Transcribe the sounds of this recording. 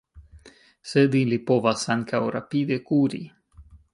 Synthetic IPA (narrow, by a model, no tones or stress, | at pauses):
sed̪ilipovasaŋkawɾa̰pid̪ekuɾḭ